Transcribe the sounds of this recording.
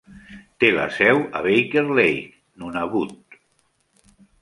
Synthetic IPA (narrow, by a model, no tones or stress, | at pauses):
t̪ela̰sɛwa̰βejkeɾlej | nunaβut̪̚